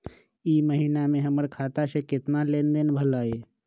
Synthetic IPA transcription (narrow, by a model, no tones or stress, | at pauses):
iːməɦiːnamẽɦəməɾkʰaːt̪asekɪt̪naleːnd̪enbʱəlaːeː